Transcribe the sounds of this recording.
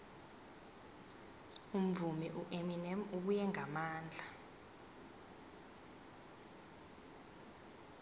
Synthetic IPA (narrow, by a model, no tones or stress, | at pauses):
um̩vumiʔuʔeminɛmuk̬ujɛŋamaːnd͡ɮʱa